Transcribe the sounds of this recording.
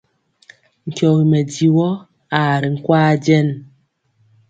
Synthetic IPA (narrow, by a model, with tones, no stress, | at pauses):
ŋ̩˨kjɔ˨ɣi˨mɛ˨di˨wɔ˦ | a˨ɾi˨ŋ̩˦kwaː˦d͡ʒɛ˦n